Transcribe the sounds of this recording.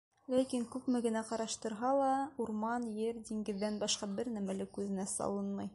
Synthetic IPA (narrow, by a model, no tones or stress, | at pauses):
lækiŋkʉpmɘɡɘ̆næqɑɾɑʃt̪ɤ̆ɾɦɑlˠɑuɾmɑnjɘɾd̪ʲiŋɡɘ̆ðːænbɑʃqɑbɘɾnæmælɘkʉðɘ̆næsɑ̰lˠɤnmɤj